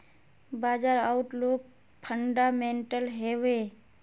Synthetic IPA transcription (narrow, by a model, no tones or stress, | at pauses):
baːd͡ʒaɾaʊʈloːk̚ | pʰəɳɖamẽːɳʈəlɦeːʋe